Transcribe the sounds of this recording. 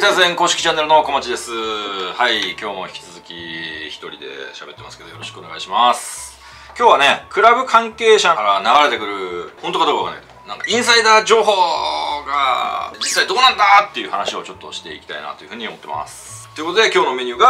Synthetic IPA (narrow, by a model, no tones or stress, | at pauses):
t̪asɨẽŋkoːɕi̥i̥t͡ɕanːe̞ɾɯ̟no̞ko̞mat͡ɕid̪e̞sɨhaikʲo̞ːmo̞çʲi̥kʲi̥t͡sɨzɨkʲiçi̥t̪o̞ɾʲid̪e̞̰ɕa̰be̞t̪ːe̞masɨ̥ke̞d̪ojo̞ɾo̞ɕi̥kɯo̞ne̞ɡa̰iɕimasɨ̥ | kʲo̞ːβane̞kɯ̟ɾabɯ̟kʰãŋke̞ːɕaaɾanaɡaɾe̞t̪e̞kɯ̟ɾɯ̟ho̞nt̪o̞kad̪okɯkakanakt̪ | nãŋkaʔĩɰ̃said̪aːd͡ʑo̞ːɦoːɡa̰d͡ʑisːaid̪o̞ːnãnd̪at̪ːe̞jɯ̟hanaɕio̞t͡ɕo̞t̪ːo̞̰ɕi̥t̪e̞̰ikʲi̥t̪a̰ḭna̰t̪o̞jɯ̟ɸɯ̟ɲ̟io̞mo̞t̪ːe̞ma̰sɨ̥t̪o̞jɯ̟kot̪od̪ekʲo̞ːno̞me̞ɲ̟ɨːɡa